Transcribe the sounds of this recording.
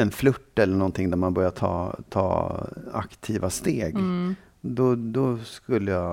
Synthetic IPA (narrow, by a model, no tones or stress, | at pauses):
ɛnflɵʈːɛlːəɳɔnt̪ʰɪŋd̪æɾmanbœɾjaʈ̪ʰɑ̰ːt̪ʰɑ̰ːa̰kt̪ʰiːvast̪eːɡ | d̪ɔd̪ɔskɵlːəja